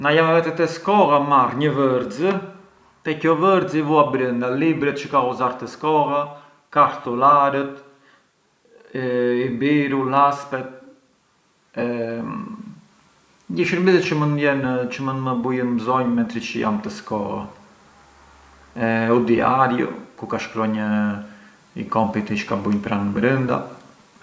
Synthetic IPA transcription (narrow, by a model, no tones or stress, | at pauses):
najamvɛt̪ɛt̪ɛskɔɣamarɲəvəɾd͡zə | t̪ɛkɔvəɾd͡zivuabɾənd̪alibɾɛt̪̚t͡ʃəkaɔzaɾt̪əskɔɣa | kaɾt̪ɔlaɾət̪ | ibiɾulaspɛt̪̚ | ɛ | dəʃəɾmiðɛt̪t͡ʃəmənjɛnt͡ʃəmənməbujənməzɔɲmɛnt̪ɾit͡ʃəja̰mt̪əskɔɣa̰ | ɛud̪ia̰ɾjṵkukaʃkɾɔɲə | ḭkɔmpit̪it͡ʃə̥kabuɲpɾanbɾənd̪a̰